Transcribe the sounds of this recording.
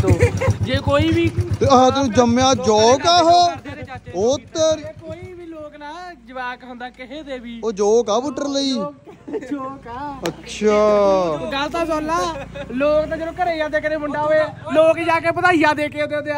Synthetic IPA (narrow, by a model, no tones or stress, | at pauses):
d͡ʒeːkoːiːbiːt̪eːãt̪ũːd͡ʒəmjãːd͡ʒɔːkaːɦoː | ot̪ːəɾkoːiːbiːloːknaːd͡ʒəʋaːkɦʊ̃nd̪aːkɪɦeːd̪eːbiːoːd͡ʒoːkaːbʊʈəɾləiːd͡ʒkːətːʃʰaːɡəlt̪aːsɔːlːaːloːknãːd͡ʒəɾõːkəɾeːijãːd̪eːkəɾeːmʊɳɖaːɦoeːloːkd͡ʒaːkeːpət̪aːijãːd̪eːkeːod̪ed̪ea